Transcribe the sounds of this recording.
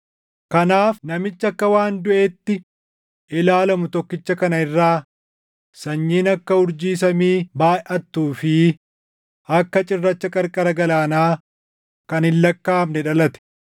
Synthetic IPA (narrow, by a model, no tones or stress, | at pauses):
kɐnaːfnɐmɪt͡ʃːɐkːɐwaːnd̪ʊʔeːt̪ːɪ | ʔɪlaːlɐmʊt̪ɔkːɪt͡ʃːɐkɐnɐɪrːaː | sɐɲːiːnɐkːɐʊɾd͡ʒiːs̬ɐmiːbaːɛʔɐt̪ːuːfɪ | ɐkːɐt͡ʃʼɪrːɐt͡ʃːɐkʼɐɾkʼɐɾɐɡɐlaːnaː | kɐnɪlːɐkːaːmnɛᶑɐlɐt̪ɛ̥